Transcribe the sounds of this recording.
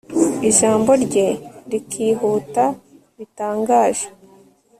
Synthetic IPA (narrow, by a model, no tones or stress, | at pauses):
iʒaːmbo̞ɾɟe̞ɾikʰiːɦuːta | βitaːŋɡaːʒe